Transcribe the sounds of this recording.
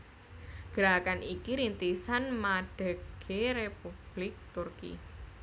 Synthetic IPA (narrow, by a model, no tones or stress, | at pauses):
ɡ̥əɾakanikiɾint̪isanmaɖ̥ə̤ɡ̥eɾepub̥lɪk̚t̪urkḭ